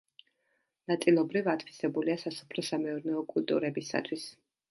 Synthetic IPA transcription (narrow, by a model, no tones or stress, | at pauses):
nat̪sʼilˠɔbɾivat̪ʰfi̥sɛbuliasasɔ̥pʰɾɔsamɛɔɾnɛɔkʼult̪ʼṵɾɛbisa̰t̪ʰwis